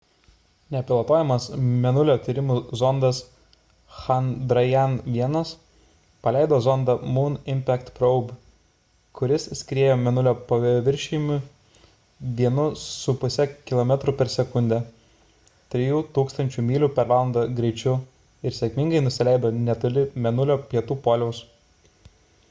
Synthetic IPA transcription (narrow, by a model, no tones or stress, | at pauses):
nʲɛpʲɪlˠɐt̪oːjɛmɐsmʲɛnʊlʲoːt̪ʲiːɾʲɪmuzɔnd̪ɐs | xɐnd̪ɾɐjɛnʋʲiɛnɐs | pɐlʲɛɪd̪oːzɔnd̪ɐmuːnɪmʲpʲækt̪pɾɔʊb | kʊɾʲɪssʲkʲɾʲeːjoːmʲɛnʊlʲoːpɐʋʲɪɾʲʃʲiːmʲʊ | ʋʲiɛnʊsʊpʊsʲɛkʲɪlˠoːmʲɛt̪ɾʊpʲɛɾsʲɛkʊnʲd̪ʲɛ | t̪ʲɾʲɪjuːt̪uːkst̪ɐnʲt͡ʃʲuːmʲiːlʲupʲɛɾʋɑːlˠɐnd̪ɐɡɾʲɛɪt͡ʃʲʊ | ɪɾsʲɛkmʲɪŋɡɐɪnʊsʲɪlʲæɪd̪oːnʲɛt̪ʊlʲɪmʲɛnʊlʲoːpʲiɛt̪uːpoːlʲɛʊs